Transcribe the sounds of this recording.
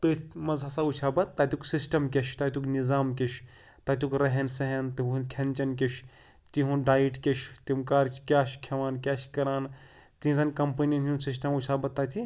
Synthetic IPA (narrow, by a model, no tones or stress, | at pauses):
t̪ɨmɐzɦɐsaut͡ʃʰaːbɐt̪ːaːt̪ʲuksisʈɐmkʲeʃʰt̪aːt̪ʲuknizaːmkʲeʃʰ | t̪aːt̪ʲukɾɐɦensɐɦent̪ɨukʰɐnʲt͡ʃɐnk̬ʲeʃʰ | t̪iɦũɖaːjiʈkʲet͡ʃʰt̪imkaːɾt͡ʃʰkʲaːʃkʰɐʋaːnkʲaːʃʰkɐɾaːn | t̪ĩzɐnkɐmpɐniɐnũnsis̬ʈɐmut͡ʃʰaːbɐt̪ːaːt̪ʰi